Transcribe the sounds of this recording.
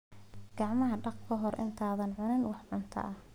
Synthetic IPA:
ɡ̥ɑʕmɐɦɐɖɑqkʰɐɦɔrʔɪ̰nt̪ʰaːðɐnʕʊnɪnwɑħʕʊnt̪ʰɐ̰ʔɐh

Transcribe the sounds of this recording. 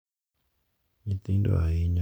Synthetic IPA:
ɲit̪indo̰ajiɲa

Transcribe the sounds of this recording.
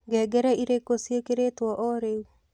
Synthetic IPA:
ɡɛɡɛɾɛiɾekosjekeɾet̪wɔʔɔɾew

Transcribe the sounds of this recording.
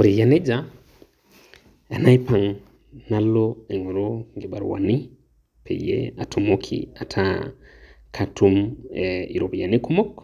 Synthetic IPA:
uɾijanɛd͡ʒa | anajpaŋ | nalːɔɛŋɔɾɔŋɡɛɓa̰ɾwa̰ni | pʰɛ̰jɛ̰atʰumokʰḭatʰa | kʰatumɛiɾɔbjanikumɔk

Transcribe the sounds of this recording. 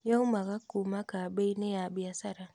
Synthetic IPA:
jaumaɣakːumakabejnejabiasaɾa

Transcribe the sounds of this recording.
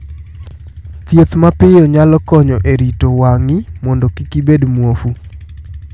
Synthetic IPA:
t̪jet̪mapɪjɔɲalɔkɔɲɔʔeɾitowaŋɪmɔndɔkikibedmwofu

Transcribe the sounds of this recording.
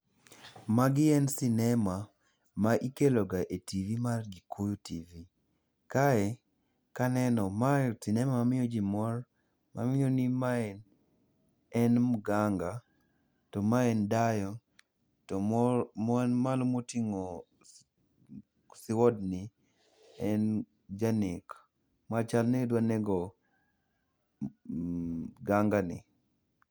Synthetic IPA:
maɡɪɛnsinɛma | maʔikelɔɡaʔetivimarɡikojutivi | kaɛ | kanɛnɔmasinɛmamamɪɔd͡ʒimɔr | ma̰mɪonimaɛn | ɛnmɡaŋɡa | tɔmaɛndajɔ | tɔmnmalomotiŋɔ | sɪwɔdni | ɛn | d͡ʒanik | mat͡ʃalnɛdwanɛɡɔ | ɡaŋɡanɪ̰

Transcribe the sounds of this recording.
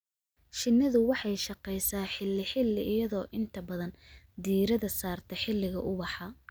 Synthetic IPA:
ʃɪnːɐðʊwɑħɑjʃɑqɛjsaːħɪlːɪħɪlːɪʔɪjɐðɔːʔɪnt̪ʰɐbɐðɐn | d̪iːɾɐðɐsaːrt̪ʰɛħɪlːɪɣɐʔʊβɑħɑ

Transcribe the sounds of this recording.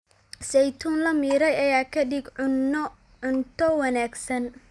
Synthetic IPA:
sɛjt̪ʰuːnlɐmiːɾɛjɐjaːkʰɐdɪɡ | ʊnt̪ʰɔwɐnaːɡsɐn

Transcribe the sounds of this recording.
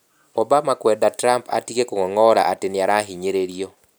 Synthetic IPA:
ɔbamakwɛdatɾampa̰tiɣekoŋɔŋɔɾa̰ʔatenɪaɾaɦiɲeɾeɾiɔ

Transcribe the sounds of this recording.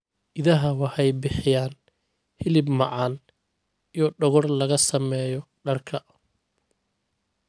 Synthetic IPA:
ʔɪðɐɦɐwɑħɛjbɪħɪjaːn | hɪlɪbmɑʕɑːn | ijɔɖɔɣɔrlɐɣɐsɐmɛːjɔ | ɖɐrkʰɐ

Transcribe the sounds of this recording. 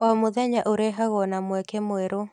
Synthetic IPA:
wamoðɛɲaʔoɾɛɦaɣɔnamwɛkemwɛɾo

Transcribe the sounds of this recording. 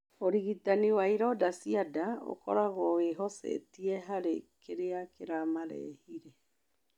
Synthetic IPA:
oɾiɣitaniwaiɾɔdasiadao̰kɔ̰ɾaɣɔweɦɔsɛ̰tiɛɦaɾḛkʰeɾeakeɾamaɾɛ̰hiɾe

